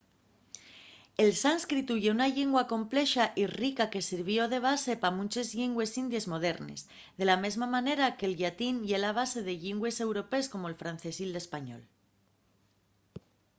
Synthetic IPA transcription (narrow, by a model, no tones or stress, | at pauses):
e̞lsanskɾit̪uʝeunaʎeŋɡwako̞mple̞ʃaʔirikake̞siɾβ̞jo̞ð̞e̞β̞ase̞pamũnt͡ʃe̞zʎiŋɡwe̞sind̪je̞zmo̞ð̞e̞ɾne̞̰s | ðe̞lame̞zmamãne̞ɾake̞lʎat̪inʝe̞laβ̞ase̞ð̞e̞ʎiŋɡwe̞se̞wɾo̞pe̞sko̞mo̞elfɾan̟θe̞sild̪e̞spaɲo̞̰l